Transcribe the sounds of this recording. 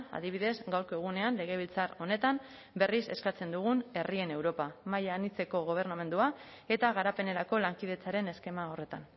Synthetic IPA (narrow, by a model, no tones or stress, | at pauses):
a̰ðiβ̞iðe̞zɡawɾkoeɣ̞une̞anle̞ɣ̞e̞β̞ilt͡saro̞ne̞t̪am | be̞rise̞̰skat͡se̞nd̪uɣ̞une̞rie̞ne̞wɾo̞pamajaːnit͡se̞ko̞ɣ̞o̞β̞e̞rname̞nd̪ua | e̞t̪aɣaɾape̞ne̞ɾako̞laŋkið̞e̞t͡saɾe̞ne̞ske̞maore̞t̪a̰n